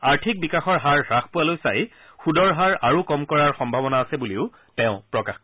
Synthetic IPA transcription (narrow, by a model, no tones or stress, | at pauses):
aɹtʰik̚bikaxɔɹɦaɹɹaxpʊalojsa̰j | xudɔɹɦaɹaɹukɔmkɔɹaɹxɔmbʱabɔnaːsɛbuliʊ | tɛʊ̃pɹɔkax